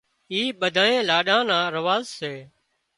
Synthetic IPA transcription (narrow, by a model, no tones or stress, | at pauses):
iːɓəd̪ʱaːnẽːlaːɗãːnãːɾəʋaːzseː